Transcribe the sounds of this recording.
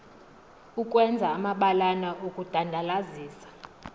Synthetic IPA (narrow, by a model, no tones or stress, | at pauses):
ukʼwɛnd͡zʱaːmaɓalanaʔokʼud̥ʱandʱalaziːsḁ